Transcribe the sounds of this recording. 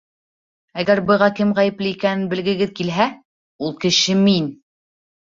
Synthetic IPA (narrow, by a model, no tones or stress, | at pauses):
æɡæɾbɤ̆ʁɑkɘmʁæjɘ̆plɘikænɘnbɘ̆lɡɘ̆ɡɘðkilɦæ | ulˠkɘ̆ʃɘmin